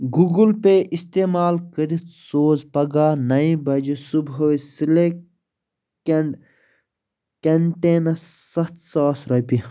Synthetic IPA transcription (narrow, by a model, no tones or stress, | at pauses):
ɡuɡulpeʔist̪eːmaːlkəɾit̪soːzpɐɡaːnɐĩbɐd͡ʒisubɦosile | kɐɳʈeːnɐsɐt̪saːsɾɐpi